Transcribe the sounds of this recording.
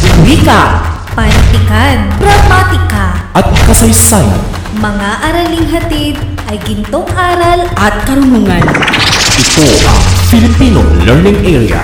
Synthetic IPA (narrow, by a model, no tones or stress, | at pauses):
wika | pɐnt̪ɪkanbɾɐmaːt̪ɪkaʔɐt̪̚kɐsɐjsaːja̰n | mɐŋaʔɐɾɐlɪŋɦɐt̪id̪ʔɐjɡɪnt̪oŋʔaːɾɐlʔɐt̪̚kɐɾʊnuːŋanʔɪt̪oʔɐ̰ŋfɪlɪpiːno̰lɛɹnɪŋʔɛɹia̰